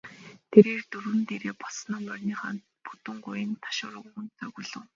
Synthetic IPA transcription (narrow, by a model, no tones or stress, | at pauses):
t̪ʰeɾeːrt̪uɾwɘ̆nt̪eɾeːpɔɮsnaːmœrʲniːχaːnpu̥t̪ə̆ŋɢʊjɪ̆nt̪ʰḁʃʊːɾə̆ɣɣŭnt͡saɣuɮɘ̆ŋ